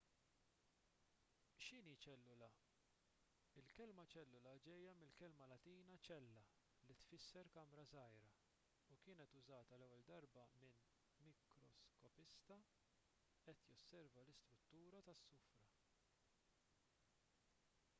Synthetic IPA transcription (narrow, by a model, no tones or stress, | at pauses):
ʃɪniːt͡ʃɛlːʊlɐ | ɪlkɛlmɐt͡ʃɛlːʊlɐd͡ʒɛjːɐmɪlkɛlmɐlɐt̪iːnɐt͡ʃɛlːɐ | lit̪fɪsːɛɾkɐmɾɐzɐjɾɐ | ukɪːnɛt̪ʊzɐːt̪ɐlɛwːɛld̪ɐɾbɐmɪn | mɪkɾɔskɔpɪst̪ɐ | ɛt̪jɔsːɛɾvɐlɪst̪ɾʊt̪ːuːɾɐt̪ɐsːʊfɾɐ